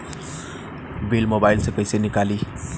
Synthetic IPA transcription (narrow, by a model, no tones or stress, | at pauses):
belmobajlsʌkəjsenikali